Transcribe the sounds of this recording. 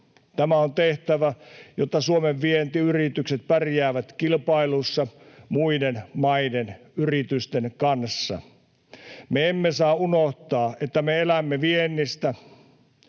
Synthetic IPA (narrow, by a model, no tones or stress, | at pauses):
t̪æmæont̪eht̪æʋæjot̪ːɑsuomeʋːient̪iyrit̪ykset̪̚pærjæːʋæt̪kilpɑilusːɑ | muidenmɑidenyrit̪yst̪enkɑnsːɑ̰ | meemːesɑːunoht̪ɑːʔet̪ːæmeelæmːeʋienːist̪æ